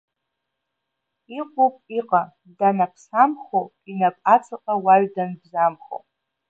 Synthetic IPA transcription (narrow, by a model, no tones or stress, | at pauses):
iqʷʼopʼiqʼa | danapʰsamχo | inapʷʼat͡sʰaqʼawaɥdanbzamχo̰wpʼ